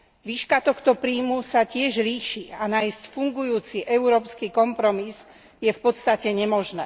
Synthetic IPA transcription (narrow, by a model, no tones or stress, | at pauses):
ʋiːʃkat̪ɔxt̪ɔpɾiːmusacɪɛʒliːʃianaːjscfuŋɡujuːt͡siʔɛʊɾɔːpskikɔmpɾɔmiz | jɛfpɔt̪st̪acɛɲɛmɔʒnɛ̰ː